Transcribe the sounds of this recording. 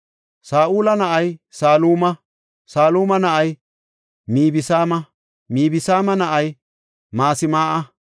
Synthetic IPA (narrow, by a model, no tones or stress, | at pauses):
saːʔuːlɐnɐʔɐjsaːluːmɐ | saːluːmɐnɐʔɐj | miːbɪsaːmɐ | miːbɪsaːmɐnɐʔɐj | maːsɪmaːʔɐ